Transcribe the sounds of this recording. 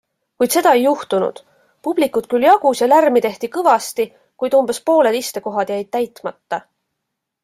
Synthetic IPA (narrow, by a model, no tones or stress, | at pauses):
kujd̪̥se̞d̪ɑe̞jːuht̪unṵd̪̥ | pub̥likːˑut̪kyljɑɡ̥usjɑlærmit̪e̞ht̪ikɤvɑst̪i | kujd̪̥umb̥espo̞ːle̞d̪ist̪e̞ko̞ɦɑd̪̥jæjd̪̥̚t̪æjt̪ˑmɑt̪ːɑ